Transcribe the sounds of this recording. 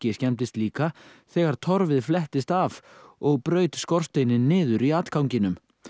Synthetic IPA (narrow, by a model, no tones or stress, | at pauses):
cɪscɛmt̪ɪst̪liːkaθɛːɣaɾ̥t̪ʰɔɾvɪðflɛht̪ɪst̪avɔɣpɾœːɥt̪skɔr̥st̪ejnɪnːɪːðʏɾiat̪kʰawɲcɪnʏm